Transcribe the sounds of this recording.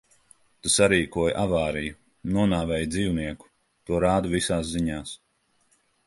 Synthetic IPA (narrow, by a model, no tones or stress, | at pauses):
t̪usaɾiːkuɔjʔavaːɾiju | nuɔnaːvɛːjd̪ziːwniɛku̥ | t̪uɔɾaːd̪uvisaːsziɲaːs